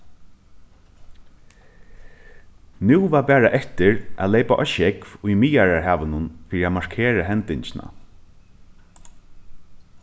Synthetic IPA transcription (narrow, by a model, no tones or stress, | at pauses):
nuːvaːpæːɹaʔɛt̪ɪɹʔælejpaʔɔʃɛkvʊjmijaɹaɹɦæːʋənʊnfiːɾiamaɹ̥kʰeːɾaɦɛnt̪ɪɲt͡ʃɪna̰